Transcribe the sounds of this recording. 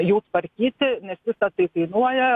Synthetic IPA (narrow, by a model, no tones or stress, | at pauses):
juːspɐɾʲkʲiːt̪ʲɪnʲɛsʲʋʲɪsɐt̪ɐɪt̪ɐɪnuɔjɛ